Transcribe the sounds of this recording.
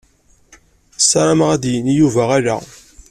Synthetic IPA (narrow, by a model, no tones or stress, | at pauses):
sːɑɾˤaməʁæd̪jənijuvæʁaɾæ̰